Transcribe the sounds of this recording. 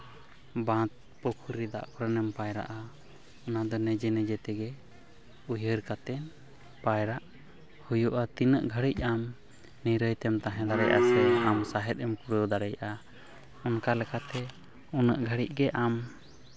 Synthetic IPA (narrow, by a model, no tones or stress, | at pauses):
bãt̪̚ | pɔkʰuɾid̪a̰ʔpɾənɛmpajɾa̰ʔa | ɔnad̪ɔnɛd͡ʒɛnɛd͡ʒɛt̪ɛɡɛ | ujəɾkat̪ɛn | pajɾaʔ | hujuʔat̪inəʔɡʱəɽic̚ˀam | niɾəjt̪ɛmt̪aɦɛ̃d̪aɾɛ̰jʔa̰sɛamsaɦɛt̪̚ɛmkuɾəwd̪aɾɛjʔa | ɔnkalɛkʰat̪ɛ | unəʔɡʱəɽic̚ˀɡɛʔam